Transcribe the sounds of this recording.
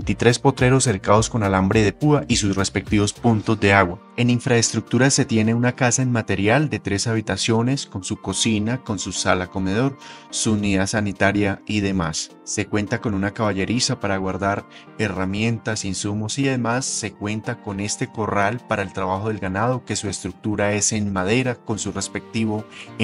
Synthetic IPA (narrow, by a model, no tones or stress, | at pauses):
ent̪it̪ɾe̞spo̞t̪ɾe̞ɾo̞se̞ɾkaðo̞sko̞nalambɾe̞ðe̞puaʔisusre̞spe̞k̚t̪iβo̞spunt̪o̞zd̪e̞aɣwa | e̞niɱfɾaest̪ɾuk̚t̪uɾase̞t̪je̞ne̞unakasaenmat̪e̞ɾjald̪e̞t̪ɾe̞saβ̞it̪asjo̞ne̞sko̞nsuko̞sinako̞nsusalako̞me̞ð̞o̞ɾsuːniðasanit̪aɾjaiðe̞masː | e̞kwe̞nt̪ako̞nunakaβaʝe̞ɾisapaɾaɣwaɾd̪aɾ | e̞ramje̞nt̪asinsumo̞siaðemasːe̞kwe̞nt̪ako̞ne̞st̪e̞ko̞ralpaɾae̞lt̪ɾaβaxo̞ðe̞lɡanað̞o̞ke̞sue̞st̪ɾuk̚t̪uɾae̞se̞nmaðe̞ɾako̞nsure̞spe̞k̚t̪iβo̞